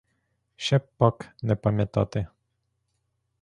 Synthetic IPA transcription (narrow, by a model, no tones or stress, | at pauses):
ʃɛpːaknɛpamjɛt̪a̰t̪e